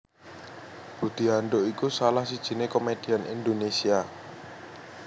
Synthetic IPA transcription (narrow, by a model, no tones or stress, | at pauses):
b̥ud̪̥i̤anɖoʔikusalahsid̥ʒ̥i̤nekomed̥i̤anʔḭnd̪onesia